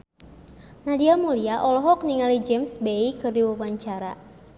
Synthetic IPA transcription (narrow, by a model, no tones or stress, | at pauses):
nadiamuliaʔɔlɔɦɔk̚niŋalid͡ʒemsbeikɨrdiwuwaɲt͡ʃaɾa̰